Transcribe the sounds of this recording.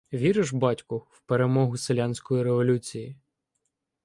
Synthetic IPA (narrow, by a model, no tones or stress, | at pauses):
ʋʲiɾɪʒbɑtʲkʊwpeɾemɔɦʊselʲanʲsʲkɔjiɾeʋɔlʲut͡sʲiji